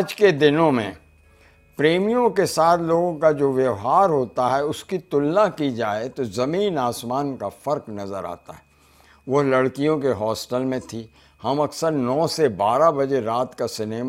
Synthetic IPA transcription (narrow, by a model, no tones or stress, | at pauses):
d͡ʒked̪ɪnõmẽ | pɾeːmijõkesaːt̪ʰloːɡõkad͡ʒoːʋjɐʋɦaːɾɦoːt̪aɦɛʊskit̪ʊlnakid͡ʒaːet̪ozɐmiːnaːsmaːnkafɐɾknɐzəɾa̰ːt̪a̰ɦɛː | ʋɐɦlɐɽkijõkeɦɔːsʈəlmẽt̪ʰi | hɐmɐksəɾnɔːsebaːɾabɐd͡ʒeɾaːt̪kasɪneːma